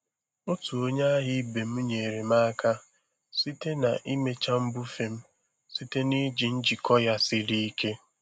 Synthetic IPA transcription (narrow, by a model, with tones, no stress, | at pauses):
ʊ˦tu˨o˦ɲa˦a˦ɦɪ˦be˨m̩˦ɲe˨ɾe˨m̩a˦ka˦ | si˦te˦na̰˨ʔi˦me˦t͡ʃa˦m̩˦bu˦fe˨m̩˦ | si˦te˦ni˦d͡ʒi˨n̩˦d͡ʒi˨kʰɔ˦ja˦sɪ˦ɾi˦i˦ke˦